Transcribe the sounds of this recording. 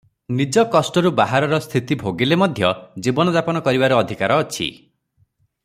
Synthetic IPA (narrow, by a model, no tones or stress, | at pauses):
nid͡ʒɔkɔsʈɔɾubaɦaɾɔɾɔst̪ʰit̪ibʱoɡilemɔd̪ʱjɔd͡ʒibɔnɔd̪apɔnɔkɔɾibaɾuɔd̪ʱikaɾɔːt͡ʃʰḭ